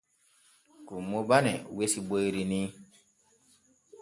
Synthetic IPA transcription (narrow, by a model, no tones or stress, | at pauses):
kumobanɛwesiboiɾinĩ